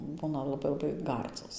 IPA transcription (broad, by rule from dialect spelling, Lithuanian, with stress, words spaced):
ˈbuːnɐ lˠɐˈbɐɪ lˠɐˈbɐɪ ˈɡɐrd͡zoːs